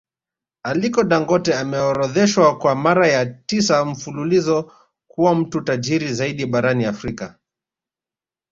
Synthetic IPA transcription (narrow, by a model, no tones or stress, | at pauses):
alikɔɗaŋɡɔtɛamɛɔɾɔðɛʃwakwamaɾajatisam̩fululizɔ | kuwam̩tutaʄiɾizaiɗiɓaɾaniafɾika